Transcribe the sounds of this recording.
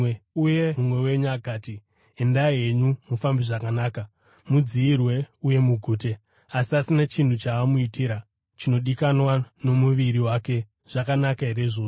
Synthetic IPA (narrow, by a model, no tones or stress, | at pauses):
eujemumwe̞we̞ɲuaɡʱaːti | e̞ndaije̞ɲumufambiʐakanaːka | mud͡ziːrwe̞uje̞muɡʱuːte̞ | asiasinat͡ʃin̤ut͡ʃaːmuitiɾa | t͡ʃino̞ɗikanwano̞muʋiɾiwake̞ | ʐ̥akanakaɦeɾe̞ʐoːʐo